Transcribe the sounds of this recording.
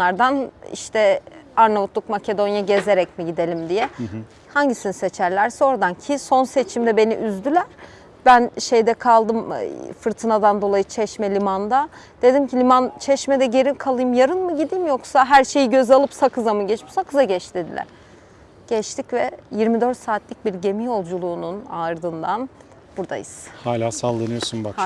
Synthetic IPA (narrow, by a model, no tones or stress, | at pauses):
aɾd̪anḭʃt̪ʰɛaɾnavut̪lˠuk̚macʰe̞d̪o̞njaɟeze̞ɾɛc̚miɟid̪elʲimd̪ijɛ | haɲɟisiniset͡ʃʰæɾlʲæɾsɛo̞ɾad̪ancʰiso̞nse̞t͡ʃʰimd̪ɛbe̞nḭʔyzd̪ylʲæɾ̥ | bænʃejd̪ɛkʰalˠd̪ɯmfɯɾt̪ʰɯnad̪and̪o̞lˠajɯt͡ʃʰɛʃmɛlʲimand̪a | d̪̥e̞d̪imcʰilʲimant͡ʃʰɛʃmɛd̪ɛɟe̞ɾikʰalˠɯjɯmjaɾɯnmɯɟid̪imjo̞ksaɦæɾʃe̞jiɟø̞zalˠɯpsakɯzamɯɟɛt͡ʃmiʃsakʰɯzaɟɛt͡ʃd̪e̞d̪ilʲæ̰ɾ̥ | ɟ̥ɛt͡ʃt̪ʰicvɛjiɾmid̪øɾt̪saːt̪lʲic̚biɾɟe̞mijo̞lˠd͡ʒulˠuːnunaɾd̪ɯnd̪an | buɾd̪a̰jɯ̰z̥haːlʲaːsalˠːɯnɯjo̞sunbak